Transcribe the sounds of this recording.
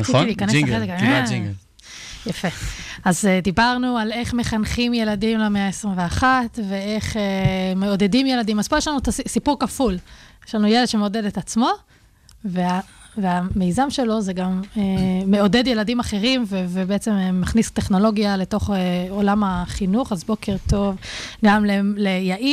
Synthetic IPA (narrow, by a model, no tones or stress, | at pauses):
nliːkaneselekai | jafeazed̪ibaʁnuale̞χmeχanχimje̞ladimlemeaesʁimveaχat̪ve̞eχeme̞o̞de̞dimje̞ladimaz̥pojeʃlanuet̪asipuʁkafuljeʃlanujeled̥̪ʃe̞meo̞de̞det̪at͡smo̞ | vea | veame̞jzamʃe̞lo̞zeɡameːe̞o̞de̞dje̞ladimaχe̞ʁimvevebeet͡se̞mːaχnist̪eχno̞lo̞ɡjale̞to̞χeo̞lamaχinuχazbo̞kʰeʁto̞vɡamlelejaʔi